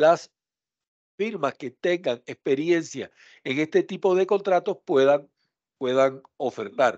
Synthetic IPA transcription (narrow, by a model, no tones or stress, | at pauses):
las | fiɾmaske̞t̪e̞ŋɡaŋespe̞ɾje̞nsja̰ | e̞ŋe̞st̪e̞t̪ipo̞ð̞e̞ko̞nt̪ɾat̪o̞spwe̞ðaŋ | pwe̞ðaŋ | o̞fe̞ɾt̪aɾ